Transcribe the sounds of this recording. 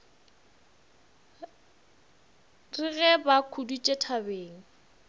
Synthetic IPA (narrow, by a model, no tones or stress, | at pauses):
rɪɣɛbakʰudut͡ʃʼetʰabeːŋ̩